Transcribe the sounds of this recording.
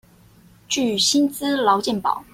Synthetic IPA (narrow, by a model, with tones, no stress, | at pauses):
t͡ɕy˥˩ɕi˥nt͡sɹ̩˥lɑ˧˥ʊt͡ɕjɛ˥˩npɑ̰˨˩˦ʊ